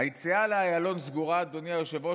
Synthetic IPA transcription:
ajit͡sialeajalo̞nzɡuʁad̪oniajoʃevo

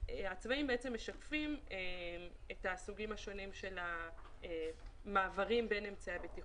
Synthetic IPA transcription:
eat͡svaimbeet͡semːe̞ʃakfimeetasuɡimhaʃo̞nimʃe̞la | emːaːvaʁimbenemt͡saabeti

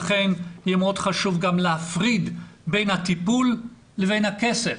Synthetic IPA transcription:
χenjɛmeo̞d̪χaʃuvɡamleafʁid̪be̞jnhat̪ipulː | evejnhakese

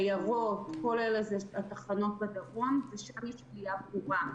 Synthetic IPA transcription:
ajaʁotko̞lelezeat̪aχano̞t̚bed̪aʁomzeʃaʁiʃɡijabʁuʁa

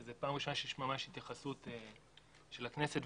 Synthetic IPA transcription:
zepaːmʁiʃomaʃejeʃmamaʃhit̪jaχasut̪e | ʃelakneset

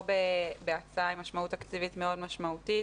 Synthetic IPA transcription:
bebeat͡saaimaʃmautakt͡sivitmeo̞dmaʃmaut̪it

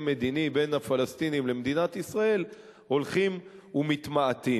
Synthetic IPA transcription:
me̞d̪inibe̞nafalast̪inimlemd̪inat̪isʁae̞l | ho̞lχimumit̪maat̪i

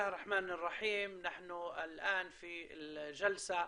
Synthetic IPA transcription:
hrˤːɑħmaːnɪrˤːɑħiːmnaħnʊɪlʔaːnfiɪʒalsa

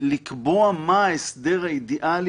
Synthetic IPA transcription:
likboamaesd̪eʁajid̪iʔal

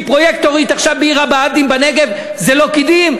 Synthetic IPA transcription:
pʁojek̚t̪oʁit̪aχʃavbeiʁabaad̪imbaneɡe̞v | zelo̞kid̪im

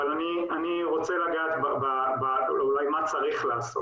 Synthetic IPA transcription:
alani | aniʁo̞t͡selaɡaːt̪bababaulajmat͡saʁiχlaːso

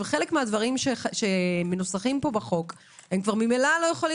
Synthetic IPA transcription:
χe̞lekmead̪vaʁimʃeʃemenusaχimpo̞baχo̞k | hemkvaʁmimelalo̞jeχoli

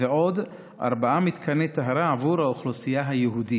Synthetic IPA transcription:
veod̪ | ʔa̰ɾbaamit̪kʰanɛt̪aɦaɾaavuɾhauχlosijaɦajeɦud̪i

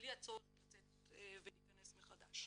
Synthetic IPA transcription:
liat͡sotlat͡set | eveliːkanesmeχadaʃ

